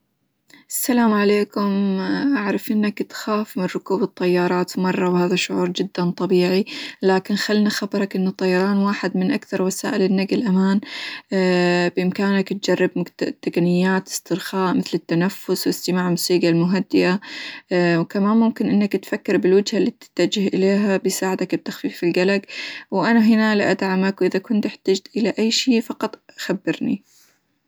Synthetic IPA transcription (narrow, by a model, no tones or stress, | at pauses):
ʔasːalaːmʕaleːkʊmʔaʕɾˤɑfʔɪnːakt̪xaːfmɪnɾʊkuːbɨt̪ˤːɑjːɑːɾˤɑːt̪mɑrˤːɑwhaːðaʃːʊʕuːɾˤd͡ʒɪd̪ːant̪ˤɑbiːʕilaːkɪnxalnaxabɑɾˤɑkʔɪnːat̪ˤːɑjɑɾˤɑːnwaːħɪd̪mɪnʔakθɑɾˤwasa̰ːʔɪlɪnːaɡɪlʔamaːn | bʔɪmkaːnakt̪̚d͡ʒɑrˤːɑbmʊt̪ːakanɪjːaːt̪ɪ̥st̪ɨɾxaːʔmɪθlɪt̪ːanafːʊswɪst̪ɪmaːʕmʊsiːɡalmʊɦad̪ːɪʔa | wkamaːnmʊmkɪnʔɪnːakat̪fakːɪɾbɪlwad͡ʒhalːiːt̪ɪ̥t̪ːad͡ʒɪhʔɪleːɦabɪsaːʕɪd̪akb̚t̪ːaxfiːfɪlɡalaɡwʔanaɦɪnalaʔad̪ʕamakwʔɪðakʊnt̪ʔɪħt̪ad͡ʒt̪ʔɪlaʔajːʃiːfɑqɑt̪ˤʔaxabːɪɾnḭ